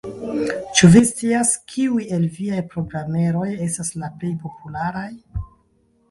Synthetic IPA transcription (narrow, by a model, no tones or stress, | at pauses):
t͡ʃuvist͡siaskʰiuje̞lviajpɾo̞ɡɾame̞ɾo̞je̞staslaple̞jpo̞pulaɾaj